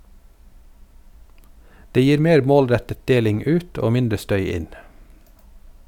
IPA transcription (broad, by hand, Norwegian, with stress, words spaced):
ˈdeː ˈjiːɾ ˈmeːɾ ˈmoːlˌɾɛtət ˈdeːlɪŋ ˈʉːt ˈoː ˈmɪndɾə ˈstœʏ ˈɪn